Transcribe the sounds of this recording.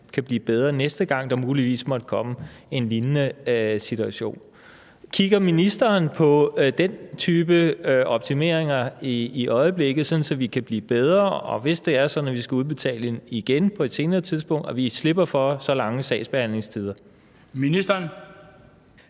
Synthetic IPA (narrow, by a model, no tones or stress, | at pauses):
kʰæb̥liːb̥eð̞ˠʁɐːnesd̥əɡ̥ɑ̈ŋ̰d̥ɑ̈muːliʋḭːsmɒ̽d̥əkʰɒ̽məe̝nlinənəsit͡sʰuæɕo̝̰ːn | kʰiɡ̥ɐminisd̥ɐːnpʰɒ̽d̥ent͡sʰyːb̥əɒ̽b̥̚t͡sʰime̝̰ɐ̰eŋɐiʔɒ̽ɪəb̥leɡ̥ð̩ˠsɒ̽n̩sɒ̽ʋikʰæb̥lḭːb̥eð̞ˠʁɐɒ̽ʋe̝sd̥e̝æɐsɒ̽nɒʋisɡ̥æuð̞ˠb̥e̝t͡sʰɛ̰ːləeniɡ̥enpʰɒ̽e̝d̥se̝ːnɐːt͡sʰið̞ˠsb̥ɔ̽ŋ̰d̥ɒʋisle̝b̥ɐfɒsɒ̽lɑ̈ŋəsɛ̰ɪsb̥e̝hæn̰le̝ŋst͡sʰið̞ˠɐ | minisd̥ɐn